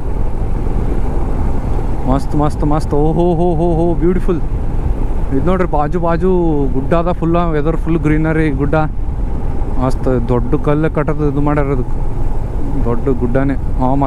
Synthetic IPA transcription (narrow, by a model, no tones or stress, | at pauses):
maːst̪umaːst̪umaːst̪oːɦoːɦoːɦoːɦoːbjuːʈipul | id̪noːɖɾibaːd͡ʒubaːd͡ʒuɡuɖːaːd̪ɐpʰulːaʋed̪ɐɾpʰulːɡɾiːnɐɾiɡuɖːaː | maːst̪d̪oɖːukɐlːekɐʈːɐd̪uid̪umaːɽiɾɐd̪ukːu̥ | d̪oɖːɡuɖːaːneaːmaː